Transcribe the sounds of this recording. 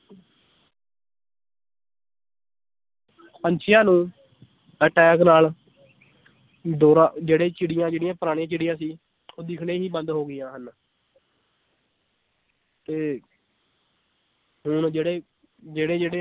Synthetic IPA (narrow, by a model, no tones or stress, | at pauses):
pəɲt͡ʃʰɪjãːnũː | əːʈɛːknaːl | d̪oːɾãːd͡ʒeːɽeːt͡ʃɪɽɪjãːd͡ʒeːɽɪjãːpəɾaːɽ̃ĩãːt͡ʃɪɽɪjãːsiː | oːd̪ɪkʰɽeːɦiːbənd̪ɦoːɡɪjãːɦən | t̪eː | ɦʊɳd͡ʒeːɽeː | d͡ʒeːɽeːd͡ʒeːɽeː